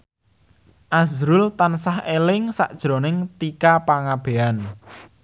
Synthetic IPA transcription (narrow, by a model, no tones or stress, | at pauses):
ʔazɾʊlt̪ansahelɪŋsa̰ʔd̥ʒ̥ɾonɪŋt̪ikapaŋab̥e̤an